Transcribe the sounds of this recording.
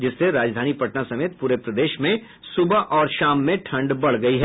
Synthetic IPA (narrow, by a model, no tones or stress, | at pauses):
d͡ʒɪsːeɾaːd͡ʒd̪ʱaːnipɐʈnasɐmeːt̪̚puːɾepɾɐd̪eːʃmẽ | sʊbaʔɔːɾʃaːmːẽʈʰɐ̃ɳɖbɐɽ̤ɡɐiɦɛ